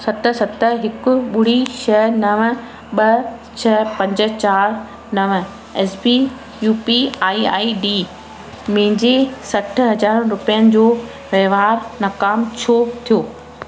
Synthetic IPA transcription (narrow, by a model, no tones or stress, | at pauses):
sɐt̪ə̆sɐt̪ə̆ɦɪkʊ̆ɓʊɽ̤iʃɐnɐʋə̃̆ | ɓɐt͡ɕʰɐpɐ̃ɲd͡ʑə̆t͡ɕaːɾ | nɐʋə̆ | ɛːsbi | juːpiaːia̰ːiɖiː | mɐ̃ɦɪ̃ɲd͡ʑesɐʈ̆ʰɦɐd͡ʑaːɾɾʊpijənɪ̆d͡ʑoː | ʋeʋaːɾnɐkaːmt͡ɕʰoːt̪ʰijoː